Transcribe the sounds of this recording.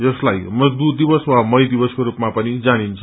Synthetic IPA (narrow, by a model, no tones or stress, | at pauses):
d͡zʌslajmʌd͡zd̪ud̪ibʌswamʌjd̪ibʌskoɾupmapʌnid͡zanint͡sʰʌ